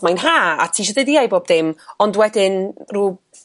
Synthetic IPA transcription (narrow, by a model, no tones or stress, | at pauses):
majnɦaːa̰tʰiːʃɔdɛdiajboːb̚d̥ɪmɔndwɛdɪnruː